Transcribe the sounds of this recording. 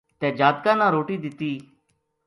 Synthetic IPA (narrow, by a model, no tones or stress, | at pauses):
t̪ɛːd͡ʒaːt̪̚kãːnãːɾoːʈiːd̪ɪt̪iː